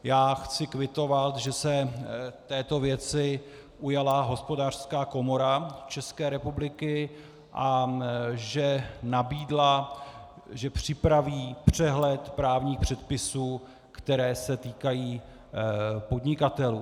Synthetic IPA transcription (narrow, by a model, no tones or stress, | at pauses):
jaːxt͡sɪkvɪt̪o̞vat̪ʒɛsɛt̪ɛːt̪o̞vjɛt͡sɪ | ʔujalaɦo̞spo̞daːr̥skaːko̞mo̞ɾat͡ʃɛskɛːɾɛpublɪkɪ | ʔa | ʒɛnabiːdla | ʒɛpr̝̥ɪpɾaviːpr̝̥ɛɦlɛt̪pɾaːvɲiːxpr̝̥ɛt̪pɪsuː | kt̪ɛɾɛːsɛt̪iːkajiː | po̞d̪ɲɪkat̪ɛluː